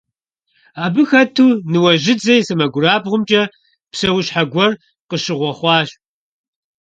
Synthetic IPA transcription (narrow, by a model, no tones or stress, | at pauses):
aːbɨxɐtʰuːnɨwɐʑɪd͡zɐjsɐmɐɡʷʊraːbʁʷʊmt͡ʃʼɐ | psɐwɕħaɡʷɔr | qəʃɪʁʷɔχʷɑːɕ